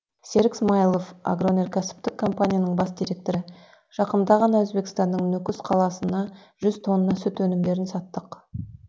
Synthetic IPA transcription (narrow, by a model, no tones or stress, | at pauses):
se̞ɾɡʲsmajlˠofa̰ɡrone̞rkosɪ̥p̚t̪ɪkʰːo̞mpanʲijanəɴbɑsd̪ijɾe̞k̚t̪o̞ɾɪ | ʒ̥ɑqəmd̪ɑʁɑnɑwɵzbe̞kʲɪ̥st̪ɑnːəɴnɵkʲʏsqʰɑlˠɑsənɑ | ʒʏz̥t̪ʰo̞nːɑsʏt̪wɵnɪmd̪e̞ɾɪnsɑt̪ːəq